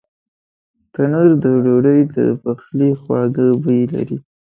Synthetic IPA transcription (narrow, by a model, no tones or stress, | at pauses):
t̪anəɾd̪əɖoɖəjd̪ə̰paxlixwɑɡəbəjla̰ɾi